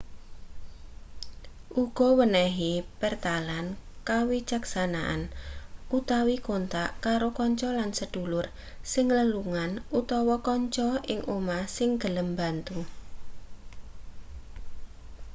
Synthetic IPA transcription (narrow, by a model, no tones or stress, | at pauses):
ʔuɡ̥ɔ̤wənɛɦipərt̪alankawid͡ʒaksanaʔa̰nʔut̪awikont̪aʔkaɾokɔɲt͡ʃɔlansəd̥ṳlʊr | sɪŋləluŋanut̪ɔwɔkɔɲt͡ʃɔɪŋʔomasɪŋɡ̥ələmba̤nt̪u